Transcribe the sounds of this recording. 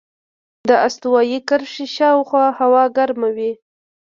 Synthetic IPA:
d̪əast̪uwɑjikəɾʂiʃɑwxwɑhawɑɡaɾmawi

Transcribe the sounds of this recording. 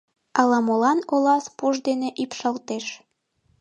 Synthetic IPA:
ɑlɑmolɑnolɑspuʒd̪eneʔypʃɑlt̪eʃ

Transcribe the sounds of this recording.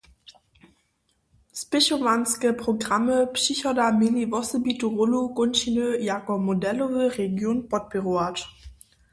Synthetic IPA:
spɪʃovanskəpʁ̥oɡʁaməpsyçɔdamelivɔsəbituʁolukʊnʃinøjakɔmodɛlovəʁeɡjoːnpɔt̚peʁoat

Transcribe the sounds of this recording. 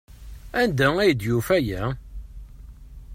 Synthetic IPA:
ænd̪ææjd̪jufæjæ

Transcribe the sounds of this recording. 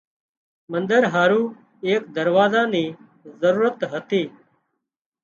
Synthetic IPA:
mənd̪əɾɦaːɾuː | eːkd̪əɾʋaːzãːniː | zəɾuːɾət̪ɦət̪iː

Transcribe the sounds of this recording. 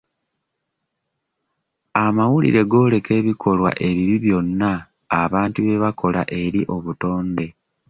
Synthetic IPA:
amawulḭɾe̞ɡo̞ːle̞ke̞ːβikʰo̞lwa̰ʔe̞βiβiβjo̞nːaː | βaːntuβe̞βakʰo̞la̰ʔe̞ɾiʔo̞βuto̞ːnde̞

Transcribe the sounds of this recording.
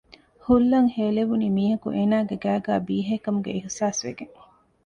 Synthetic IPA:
hulːɐŋheːleʋuniːmiːɦɐkṵʔeːnaːɡeɡæːɡæːbiːɦekɐmuɡḛiɦsaːsʋḛɡeŋ

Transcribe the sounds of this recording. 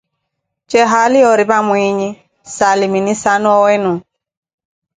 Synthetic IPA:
t͡ʃɛɦaliɔɾibamwiɲi | saliminisanɔwɛnũ

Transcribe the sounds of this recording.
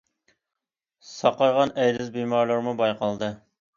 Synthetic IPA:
sɑqɑɾʁɑnɛjd̪ɪzbemɑɾlˠəɾmubɑjqɑlˠd̪ɨ

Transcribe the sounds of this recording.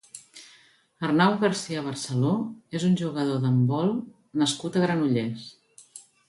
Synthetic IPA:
ərnawɣəɾsiəβ̞ərsəloezunʲʒuɣəð̞oðəmbɔlˠ | nəskut̪əɣɾənuʎes

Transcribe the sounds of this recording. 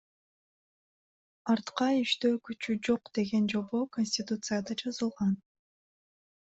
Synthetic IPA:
ɑɾt̪qɑyʃt̪øːkyt͡ʃyd͡ʒo̞qd̪̥e̞ɡe̞nd͡ʒo̞βo̞konʲsʲtʲit̪ut̪sɨjad̪ɑd͡ʒɑzɯlˠʁɑn

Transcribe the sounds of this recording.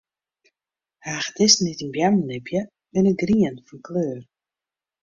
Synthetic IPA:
haːχə̥dɛsnɛtinbjamnɛbjə | mɛnəɡriənfɔnkløːr

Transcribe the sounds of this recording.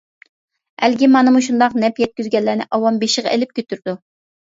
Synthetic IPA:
ælɡʲimɑnɨmuʃ̬und̪ɑqnɛpjɛt̪̚kʲyzɡʲɛlːæːnɪ̰ʔɑwɑmbeʃəʁɑ̰elɪp̚kʲʰøt̪ʰyɾd̪u

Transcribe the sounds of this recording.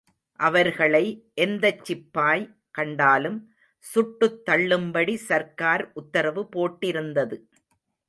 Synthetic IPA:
ʔɐʋɐɾɣɐɭɐɪʔɛnd̪ɐt͡ʃːɪpːaːj | kɐɳɖaːlɯm | sʊʈːɯt̪ːɐɭːɯmbɐɽisɐɾkaːɾʔʊt̪ːɐɾɐʋɯpoːʈːɪɾɯnd̪ɐðɯ

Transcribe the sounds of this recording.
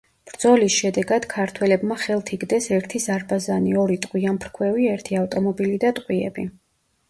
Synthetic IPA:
b̥ɾd̪zɔlisʃɛd̪ɛɡad̪̥kʰaɾt̪ʰwɛlɛbmaχɛlˠt̪ʰiɡd̪ɛsɛɾt̪ʰizaɾbazaniɔɾit̪ʼqʼwianpʰɾkʰwɛviɛɾt̪ʰiaft̪ʼɔmɔbilid̪at̪ʼqʼwiɛ̰bi

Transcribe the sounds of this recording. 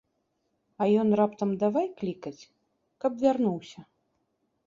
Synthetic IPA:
ɐjɔnrapt̪ɐmd̪avajklʲikɐt͡sʲ | kɐbvʲarnuwsʲɐ

